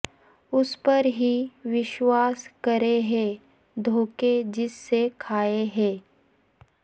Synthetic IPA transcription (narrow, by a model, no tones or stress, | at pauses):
ʊspɐɾɦiʋɪʃwaːskɐɾeɦɛ̃ː | d̪ʱoːked͡ʒɪsːekʰaːeɦɛ̃ː